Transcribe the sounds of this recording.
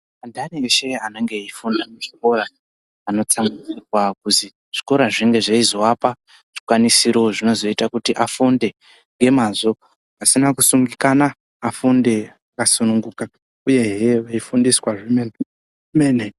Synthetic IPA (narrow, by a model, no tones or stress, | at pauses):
andanieʃe̞ane̞ŋɡe̞ifundamuʐiko̞ɾaː | no̞t͡samɡid͡zikwak̚uzi | ʐ̥iko̞ɾaʐiŋɡe̞ʐaizo̞apa | ʐ̥ikwanisiɾo̞ʐino̞zo̞itakutiʔafunde̞ | ŋɡe̞mazo̞ | asinakusuŋɡikanaː | funde̞akasunuŋɡuka | uje̞ɦeʋeifundiswaʐimen | mene